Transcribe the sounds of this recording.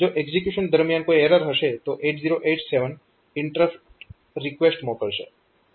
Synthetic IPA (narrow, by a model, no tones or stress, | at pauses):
d͡ʒoʔeɡzikjuʃənd̪əɾmijankoieɾəɾɦəʃet̪oʔeʈziɾoʔeʈseʋən | ɪɳʈɾəf | ɾikʋesʈmokəɭʃḛ